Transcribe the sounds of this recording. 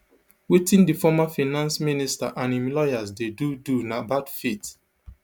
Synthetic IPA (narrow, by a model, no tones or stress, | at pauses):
witĩndifɔmafinãnsminista̰ʔãnĩmlɔjazdedudunabadfit